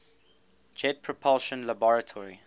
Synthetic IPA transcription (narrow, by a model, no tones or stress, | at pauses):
d͡ʒɛd̚pʰɹɔpʰɔlˠʃə̃nlabɔɹətʰɔɹi